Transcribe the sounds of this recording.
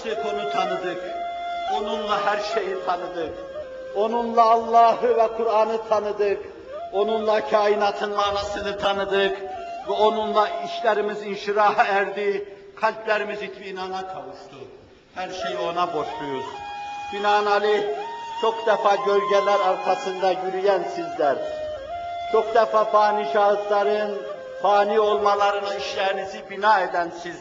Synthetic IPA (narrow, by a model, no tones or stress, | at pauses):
sʰɯko̞nut̪ʰanɯd̪ɯko̞nunlˠaɦæɾʃe̞jit̪ʰanɯd̪ɯk | o̞nunlˠaːlˠːaːɦɯvɛkʰuɾaːnɯt̪ʰanɯd̪ɯk | o̞nunlˠacʰaːinaːt̪ʰɯnmaːnasɯnɯt̪ʰanɯd̪ɯkvɛo̞nunlˠaiʃlʲɛɾimizinʃiɾaːɦɯæɾd̪iː | kʰalʲplʲæɾimizit̪iːnanakʰavɯʃt̪ʰu | hæɾʃejio̞nabo̞ʃlˠujuz̥finaːnalʲit͡ʃʰo̞kd̪ɛfaːɟølʲɟɛlʲæɾaɾkʰasɯnd̪aɟyɾyjænsizlæɾ | t͡ʃʰo̞kd̪ɛfaːfaːniːʃaɦɯt̪lˠaɾɯn | faːniːo̞lˠmalˠaɾɯnaiʃlʲæːnisibinaːed̪ænsiz